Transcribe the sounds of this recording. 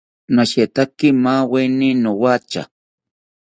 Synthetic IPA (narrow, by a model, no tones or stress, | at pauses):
naʃet̪akimaweninowat͡ʃa̰